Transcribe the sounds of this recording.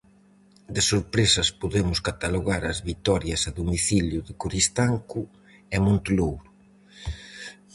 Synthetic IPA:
d̪ɪsoɾpɾesɐspoðemʊskat̪aloɣaɾɐzβit̪ɔɾjɐsɐðomiθiljʊðɪkuɾist̪aŋkʊ | ɛmõnt̪lowɾʊ

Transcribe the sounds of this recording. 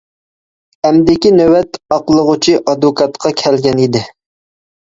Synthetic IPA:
ɛmd̪ɪkʲinøwɛt̪ɑqlˠəʁʊt͡ʃʰiʔɑd̪ʊkʰɑt̪qʰɑkʲʰɛlɡʲɛnid̪ɪ

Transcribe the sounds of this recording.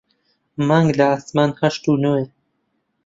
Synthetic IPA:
maŋɡlaasmaːnhɐʃt̪unoːe

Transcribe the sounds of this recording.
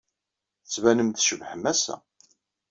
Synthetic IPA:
θət͡sːvænəmθʃəvħəmæsæ̰

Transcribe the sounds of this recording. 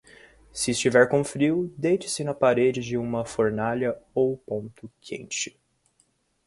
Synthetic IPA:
sɪːst͡ʃivɛɾkõfɾiwd̪ejt͡ʃɪ̥sɪnɐpaɾed͡ʒɪd͡ʒɪũmɐfoɾnaʎɐowpõnt̪ʊkʰḛ̃t͡ʃɪ̥

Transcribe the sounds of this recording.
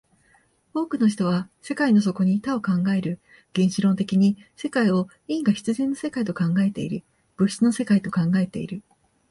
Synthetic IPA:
o̞ːkɯ̟no̞ç̬i̥t̪o̞β̞ase̞kaino̞s̬o̞ko̞ɲ̟it̪ao̞kãŋɡae̞ɾɯ̟ | ɡ̥ẽ̞ɰ̃ɕiɾõ̞nt̪e̞kʲiɲ̟ise̞kaio̞ | ĩŋɡaçi̥t͡sɨzẽ̞nːo̞se̞kait̪o̞kãŋɡae̞t̪e̞ḭɾɯ̟ | b̥ɯ̟çi̥t͡sɨno̞se̞kait̪o̞kãŋɡae̞t̪e̞ḭɾɯ̟

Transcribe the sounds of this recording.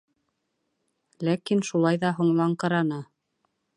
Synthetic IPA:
lækinʃulˠɑjðɑɦŏɴlˠɑɴqɑ̆ɾɑnɑ

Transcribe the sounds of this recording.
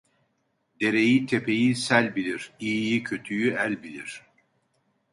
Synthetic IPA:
d̪e̞ɾe̞jit̪ʰe̞pʰe̞jisælʲbilʲiɾ̥ijjicʰøt̪ʰyjyælʲbilʲiɾ̥

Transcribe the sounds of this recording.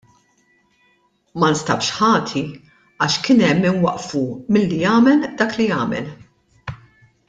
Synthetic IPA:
mɐnst̪ɐ̰pʃħɐːt̪ʰi | ɐːʃkɪnɛmːɪnwɐʔfumɪlːijɐːmɛld̪ɐːklijɐːmɛ̰l

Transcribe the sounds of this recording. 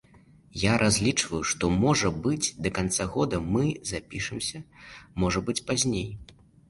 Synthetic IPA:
jaɾʔazʲlʲit͡ʂvɐjuʂt̪ɔmɔʐɐbɨd͡zʲd̪ɐkant̪saɣɔd̪ɐmɨzapʲiʂɨmsʲɐmɔʐɐbɨt͡sʲpazʲnʲej

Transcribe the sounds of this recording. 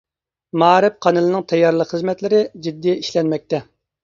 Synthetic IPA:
mɑːɾɪp̚qʰɑnɨlˠɨnɨŋt̪ʰɛjːɑɾlˠəqχəzmɛt̪lɪɾɪd͡ʒid̪ːijiʃlɛnmɛk̚ʲt̪ɛ

